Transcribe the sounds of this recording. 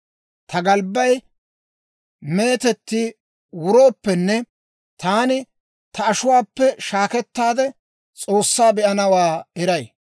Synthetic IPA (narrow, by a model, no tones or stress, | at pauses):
t̪ʰɐɡɐlbːɐj | me̞ːt̪ɛt̪ːɪ | wʊɾo̞ːpːɛnːɛ | t̪aːnɪ | t̪ɐːʃʊwaːpːɛʃaːkɛt̪ːaːd̪ɛ | t͡sʼoːsːaːbɛʔɐnɐwaːɛɾɐj